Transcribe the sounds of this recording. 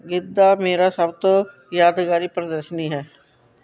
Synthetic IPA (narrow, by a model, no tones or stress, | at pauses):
ɡɪd̪ːaːmeːɾaːsəbt̪õː | jaːd̪kaːɾiːpɾd̪əɾʃniːɦɛː